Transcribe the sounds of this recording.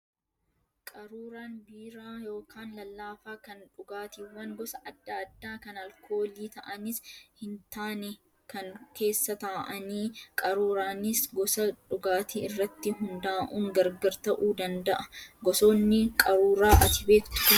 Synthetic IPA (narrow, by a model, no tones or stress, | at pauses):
kʼɐɾuːɾaːnbiːɾaːjo̞ːkaːnlɐlːaːfaːkɐnᶑʊɡaːt̪iwːɐŋɡɔsɐʔɐd̪ːaːɐd̪ːaːkɐnɐlkʰo̞ːliːt̪ɐʔɐnɪshɪnt̪aːnɛ | kɐŋke̞ːsːɐt̪aːʔɐniːkʼɐɾuːɾaːnɪsɡɔsɐᶑʊɡaːt̪iɪrːɐt̪ːɪɦʊnd̪aːʔuːŋɡɐɾɡɐɾt̪ɐʔuːd̪ɐnd̪ɐʔɐ̥ɡɔso̞ːnːɪkʼɐɾuːɾaːʔɐt̪ɪbe̞ːkt̪ʊ̥